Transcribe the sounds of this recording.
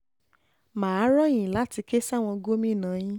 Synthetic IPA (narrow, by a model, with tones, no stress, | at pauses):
maː˨˦ɾɔ˦jĩ˨la˨˦ti˧ke˦sa˦˨w̃ɔ̃˧ɡo˦mĩ˦˨nã˨˦jĩ˦